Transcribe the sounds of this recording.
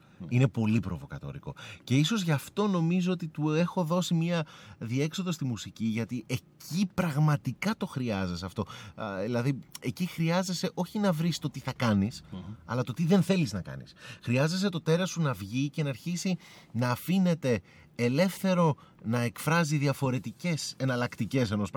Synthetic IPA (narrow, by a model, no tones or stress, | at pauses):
ine̞po̞lipɾo̞vo̞̰kɐ̰t̪o̞̰ɾḭko̞̰ce̞iso̞zʝɐft̪o̞no̞mizoot̪it̪ue̞xo̞ðo̞simiɐðie̞kso̞ðo̞st̪imusiciʝɐt̪iʔe̞cipɾɐɣmɐt̪ikɐt̪o̞xɾiɐzeseɐft̪o̞ilɐðie̞cixɾiɐze̞se̞ʔo̞çinɐvɾist̪o̞t̪iθɐkɐnisɐ̰lɐt̪o̞t̪iðe̞nθe̞liznɐkɐ̰nḭsxɾiɐze̞s̬e̞t̪o̞t̪e̞ɾɐsunɐvʝice̞nɐːɾçisinɐːfine̞t̪e̞ː | le̞fθe̞ɾo̞nɐe̞kfɾɐziðiɐfo̞ɾe̞t̪ice̞se̞nɐlɐkt̪ice̞se̞no̞sp